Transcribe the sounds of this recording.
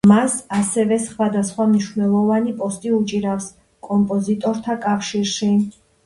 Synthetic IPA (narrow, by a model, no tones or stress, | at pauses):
masasɛvɛsχwad̪asχwamniʃvnɛlˠɔvanipʼɔst̪ʼiut͡ʃʼiɾafs | kʼɔmpʼɔzit̪ʼɔɾt̪ʰakʼafʃiɾʃi